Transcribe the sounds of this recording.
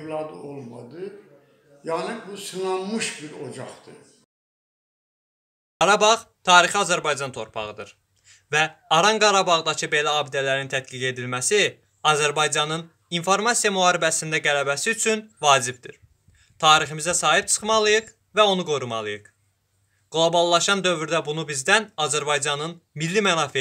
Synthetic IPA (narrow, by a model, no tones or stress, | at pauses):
vlˠɑd̪olˠmɑ̰d̪ɯ | jɑnɯbusɯnɑnmɯʃbiɾod͡ʒɑχd̪ɯ | ɡ̥ɑɾɑbɑʁt̪ʰɑːɾiχiɑzæɾbɑjd͡ʒɑnt̪ʰo̞̰ɾpʰɑ̰ʁɯd̪ɯ̰ɾ | væɑɾɑŋɡɑɾɑbɑʁd̪ɑcʰɯbe̞læɑːbid̪ælæɾint̪ʰæt̪ɡiɡe̞d̪ilmæsi | ɑzæɾbɑjd͡ʒɑnɯn | info̞ɾmɑsijɑmuɦɑːɾibæsind̪æɡælæbæsiyt͡ʃʰynvɑːd͡ʒib̚d̪iɾ | t̪ʰɑːɾiχimizæsɑːɦip̚t͡ʃʰɯ̥χmɑlˠɯjɯχ | væo̞nuɡoɾumɑ̰lˠɯjɯχ | ɡ̥lˠo̞bɑlˠːɑʃɑnd̪ø̞vyɾd̪æbunubizd̪ænɑzæɾbɑjd͡ʒɑnɯnmilːimænɑːfi